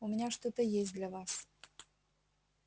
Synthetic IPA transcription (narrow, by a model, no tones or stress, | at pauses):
ʊmʲɪnʲaʂt̪ot̪əjesʲt̚ʲd̪lʲɐvas